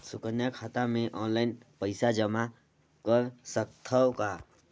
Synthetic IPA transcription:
sukənjakʰat̪ameʔɔnlaɪnpəɪsad͡ʒəma | kəɾsəkt̪ʰəwka

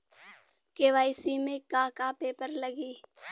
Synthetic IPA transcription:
keːʋaːɪsimẽkãkapeːpəɾləɡiː

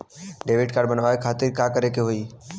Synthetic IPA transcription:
ɖeːʋɪɖkaːɾɖbənʋaːekʰaːt̪ɪɾkakəɾekeɦoi

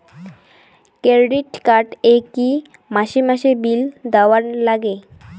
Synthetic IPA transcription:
keɾɖiʈkaɾʈeki | maɕimaɕebild̪awaɳlaɡe

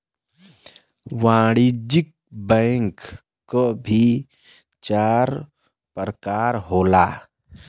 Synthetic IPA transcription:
ʋaːɽid͡ʒik̚bɛŋkː | obʱi | t͡ʃaːɾ | pəɾəkaːɾɦoːlaː

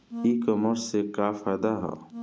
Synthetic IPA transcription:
ikəməɾsekafajd̪aɦɛ̰ː

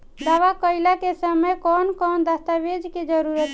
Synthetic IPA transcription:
d̪aʋakəjlakesəməjkɔnkɔnd̪əst̪aʋed͡ʒked͡ʒəɾuɾət̪

